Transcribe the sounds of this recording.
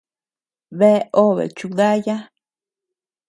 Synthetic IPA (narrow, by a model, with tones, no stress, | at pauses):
βe˦ʔo˦βḛ˨t͡ʃu˧ða˦ja˦